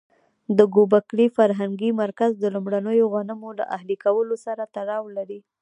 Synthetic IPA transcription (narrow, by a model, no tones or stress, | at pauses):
d̪əɡobakɽifaɾɦaŋɡimaɾkazd̪əlumɽanəjoɣanəmola̰ʔaɦlikawəlosaɾat̪aɽɑwlaɾi